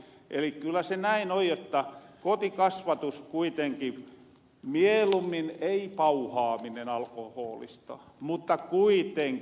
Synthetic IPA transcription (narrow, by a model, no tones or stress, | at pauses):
ʔelikkylːˑæsenæinoijjot̪ːɑkot̪ikɑsʋɑt̪uskuit̪eŋki | mielumːineipɑuhɑːminenɑlkohoːlḭst̪ɑ̰mut̪ːɑkuit̪eŋk